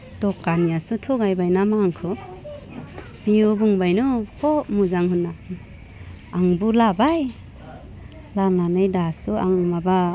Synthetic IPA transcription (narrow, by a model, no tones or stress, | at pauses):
tɔkːanijasutʰɔɡajbajnamaŋkʰɯ | b̥iubuŋbajnuhʰɔmuzaŋɦunːa | ŋbulabaj | lananɯjdasua̰ŋmaba